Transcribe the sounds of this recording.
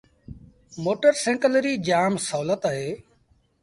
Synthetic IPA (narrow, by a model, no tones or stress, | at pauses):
moːʈəɾsẽːŋkələɾiːd͡ʒaːmsəɦuːlət̪aːɦeː